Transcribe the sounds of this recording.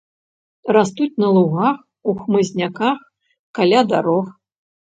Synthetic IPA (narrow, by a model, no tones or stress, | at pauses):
rast̪ut͡sʲnɐlˠuɣax | uxmɨzʲnʲakax | kalʲad̪aɾɔx